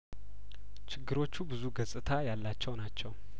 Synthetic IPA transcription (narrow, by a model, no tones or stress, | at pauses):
t͡ʃʰɪɡːɨɾo̞t͡ʃːubɨzuɡəsʼɨt̪ʰajalːat͡ʃːɛwnat͡ʃːɛw